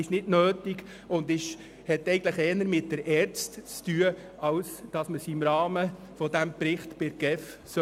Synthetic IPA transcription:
ɪʃnɪdnøːtiɡ | ʊndɪʃ | hɛtɛɡn̩tləχɛːnəɾmɪt̚d̥əɾɛɾt͡stt͡styə | ɑwsd̥ɑsməsiɪmɾɑːmə | fɔdæmpɾɪχtb̥ɪɾɡ̥ɛf | sœ

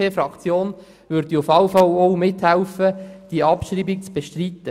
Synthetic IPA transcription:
eːfrɑkt͡sjoːn | ʋʏɾd̥iʊfɑwfɑlɔwmɪthæʊfəd̥iɑpʃriːbik̚t͡sb̥eʃtrit̪ːə

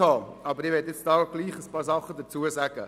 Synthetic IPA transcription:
ɑːɑbəɾɪʋɛtɪt͡sd̥ɑːɡ̥liːχəspɑːɾsɑχːəd̪əɾt͡suəsæɡ̥ə̰

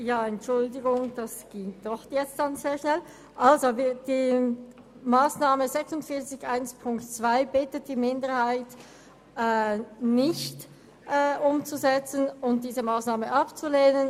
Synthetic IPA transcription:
jaːɛntt͡ʃʊldɪɡʊŋd̥asɡ̥ɪŋd̥ɔxjɛt͡std̥anzeːɐʃnɛl | ʔalzovid̥iː | maːsnaːməzɛksʊntfɪɐt͡sɪçʔaɪnspʰʊŋktt͡sv̥aɪbɪtət̚d̥iːmɪndəʁhaɪt | ʔɛnɪçt | ʔɛːʔʊmt͡suzɛt͡sənʊnt̚d̥iːzəmaːsnaːməʔapt͡suleːnən

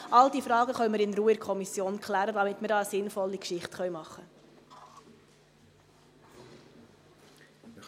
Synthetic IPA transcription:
ʔɑld̥̪iːfɾɑːɡəχœɥməɾɪnɾuːəɾkʰɔmisjoːnkʰlæːɾədɑmɪtməɾdɑːəsɪnfɔlːikʃɪχtχœɥmɑχːə

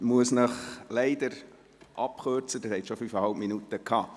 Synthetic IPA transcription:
muəsnəχlæɪd̪əɾ | ʔɑpχøɾt͡səd̥ɑshɛt̪ʃɔfifəhɑlpminut̪əkʰhɑː

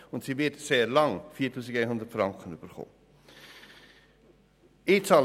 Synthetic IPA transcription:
ʊntsivitseːrlɑŋfiːtʰyːsɪkɛnɦʊndətfrɑŋkənybərχo̰ː | isɑl

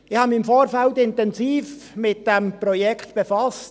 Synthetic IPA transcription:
ɪhɑmiɪmfoːɾfæltɪntɛnziːfmɪt̚d̥ɛmprɔjɛkʰtb̥efɑst

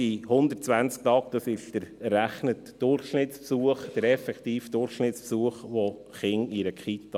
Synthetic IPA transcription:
ihʊndərt̚t͡sʋænt͡sk̚tɑːkd̥ɑsɪʃd̥əɾːæχnətd̥ʊrχʃnɪtspsuəχd̥əɾɛfɛktiːfd̥ʊɾχʃnɪtspsuəχʋo | χɪŋiɾəkχit̪ɑ

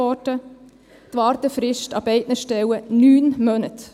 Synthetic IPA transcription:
ɔtə | t̪ʋɑːɾt̪əfɾɪʃtɑbɛɪtnəʃtɛwənyːnmœnət̪

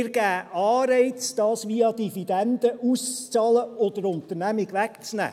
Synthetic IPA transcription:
ɡ̥æːɑːɾɛɪt͡sd̥ɑːsʋiɑd̪ivid̥̪ænd̥̪əʔust͡st͡sɑːləɔd̥̪əɾʊnt̪əɾnæmɪɡʋækt͡snæ̰ː

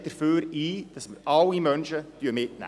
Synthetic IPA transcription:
d̥̪əɾføːɾiːd̥ɑsməɾɑwimœnʃətyːəmɪtnæ̰

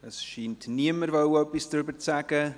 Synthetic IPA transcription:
əsʃiːntniəməɾvowœpɪsdʏbət͡sæɡ̥ə

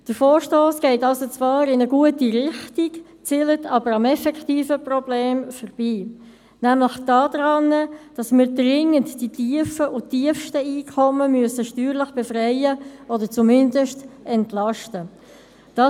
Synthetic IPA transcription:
d̥əɾfɔːɹʃtoːsɡ̥ɛɪtɑlsot͡svɑːɾɪnəɡuətiʁɪχtik | t͡silətʰɑbəɾɑmɛfɛkχtiːfəprɔbleːmfəɾb̥iː | næmləχd̥ɑːd̥ɾɑnəd̥ɑsmɪːɾdʁɪŋəntd̥itʰiəfəʔʊtiəfʃtəiːkʰɔməmyəsəʃtyːɾləχb̥efɾɛɪəɔdəɾt͡sumɪndəʃtɛntlɑʃtə | d̥ɑ

